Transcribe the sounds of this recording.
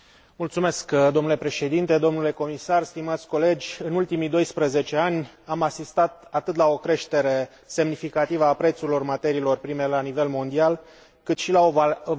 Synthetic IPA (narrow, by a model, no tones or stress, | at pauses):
mult̪sume̞skd̪omnule̞pɾe̞ʃe̞d̪int̪e̞d̪o̞mnule̞ko̞misarst̪imat̪sʲko̞le̞d͡ʒʲɨnult̪imid̪o̞jspɾəze̞t͡ʃe̞anʲ | amasist̪at̪̚at̪ɨt̪lao̞kɾe̞ʃt̪e̞ɾe̞ | se̞mnifikat̪ivəapɾe̞t̪suɾilo̞rmat̪e̞ɾiːlo̞rpɾime̞lanive̞lmo̞nd̪ial | kɨt̪ʃilao